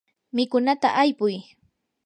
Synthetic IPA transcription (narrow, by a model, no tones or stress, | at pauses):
mɪkʊnat̪a̰ʔajpʊj